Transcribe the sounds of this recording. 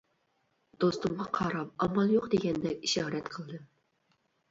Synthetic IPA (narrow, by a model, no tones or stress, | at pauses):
d̪̥ost̪ʊmʁɑqʰɑɾɑp̚ɑmɑlˠjoqd̪eɡʲɛnd̪ɛkʲiʃɑːɾɛt̪qʰəlˠd̪ɨ